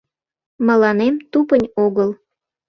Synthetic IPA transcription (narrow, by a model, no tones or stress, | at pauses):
mə̆lɑnemt̪upənʲoɣəl